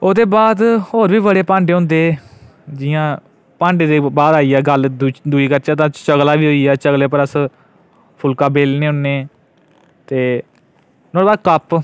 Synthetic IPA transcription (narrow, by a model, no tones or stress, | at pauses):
oːd̪eːbaːd̪hoːɾʋiːbəɽeːpãːɳɖeːɦʊ̃nd̪eː | d͡ʒɪjãː | pãːɳɖeːd̪eːbaːd̪aːiːɛːɡəld̪uːiːkəɾt͡ʃaːt̪̬ãːt͡ʃəɡlaːʋiːɦoːiːɛːt͡ʃəɡleːpəɾəs | pʰʊlkãːbeːlnẽːɦʊnːeː | t̪eː | nõːbaːd̪kəp